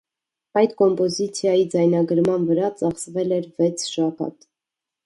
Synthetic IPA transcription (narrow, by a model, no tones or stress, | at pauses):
ɑjt̪kɔmpɔzit͡sʰjɑjid͡zɑjnɑɡəɾmɑnvəɾɑt͡sɑχsvɛlɛɾvɛt͡sʰʃɑkɑ̰t̪